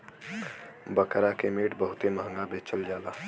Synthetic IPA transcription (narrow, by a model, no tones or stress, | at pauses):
bəkɾakemeːʈbəɦʊt̪eməɦə̃ŋɡabet͡ʃəld͡ʒaːla